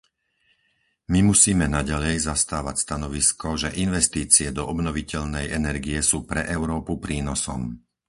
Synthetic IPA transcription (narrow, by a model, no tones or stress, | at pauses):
mimusiːmɛnaɟalɛjzast̪aːʋacst̪anɔʋiskɔʒɛʔinʋɛst̪iːt͡siɛd̪ɔʔɔbnɔʋicɛʎnɛjɛnɛɾɡijɛsuːpɾɛʔɛʊɾɔːpupɾiːnɔsɔ̰m